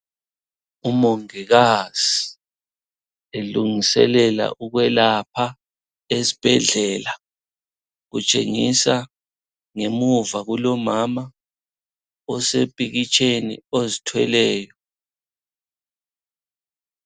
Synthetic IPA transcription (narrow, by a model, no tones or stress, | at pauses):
umoŋiɣaz̥i | eluŋisɛ̰lɛla̰ʔuɣwɛlapʰa | ezi̥b̥ʱɛɮɛla | ɣut͡ʃʼḛŋisa | ŋemuvaɣulɔmama | ɔsepʼiɣit͡ʃʼʰenḭozitʰwɛ̰lɛːjɔ